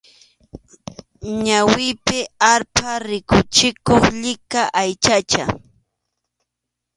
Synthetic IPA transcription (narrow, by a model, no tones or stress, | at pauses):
ɲawɪpɪaɾpaɾɪkʊt͡ʃɪkoχʎɪkaʔajt͡ʃat͡ʃa